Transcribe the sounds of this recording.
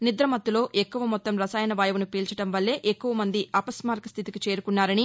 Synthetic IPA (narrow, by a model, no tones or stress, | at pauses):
nid̪ɾɐmɐt̪ːulo̞ːʔekːuʋɐmɔt̪ːɐmɾɐsaːjɐnɐʋaːjɐʋunupiːlt͡ʃɐʈɐmʋɐlːe̞ːʔekːuʋɐmɐnd̪iɐpɐsmaːɾkɐst̪ʰit̪ikit͡ʃe̞ːɾukunːaːɾɐni